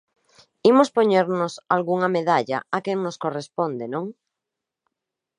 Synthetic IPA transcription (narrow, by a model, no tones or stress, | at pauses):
imospoɲeɾnosalɣuŋameðaʎa̰akeŋnoskorespond̪enõŋ